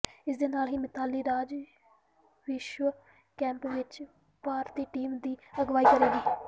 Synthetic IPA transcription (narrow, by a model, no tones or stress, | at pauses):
ɪsd̪eːnaːlɦiːmɪt̪aːliːɾaːd͡ʒ | ʋɪʃʋə | kɛ̃ːmpʋɪt͡ʃ | paːɾt̪iːʈiːmd̪iːəɡʋaːiːkəɾeːɡiː